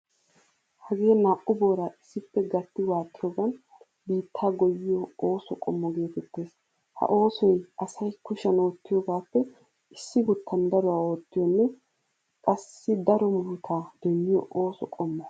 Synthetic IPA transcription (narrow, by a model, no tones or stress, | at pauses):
hɐɡeːnaːʔʊbo̞ːɾaʔɪsːɪpːɛɡɐt̪ːɪwaːt̪ːɪjɔɡɐn | biːt̪ʰːaːɡɔjːɪjɔoːsɔkʼɔmːɔɡe̞ːt̪ɛt̪ːe̞ːs | hɐ̰ʔo̞ːsɔjɐsɐjkʊʃɐno̞ːt̪ːɪjɔːɡaːpːɛ | ɪsːɪɡʊt̪ʰːɐnd̪ɐɾɔwaːoːt̪ːɪjɔnːɛ | kʼɐsːɪd̪ɐɾɔmuːt̪ʰaːd̪̥ɛnːɪjɔ̰ʔoːsɔkʼɔmːɔ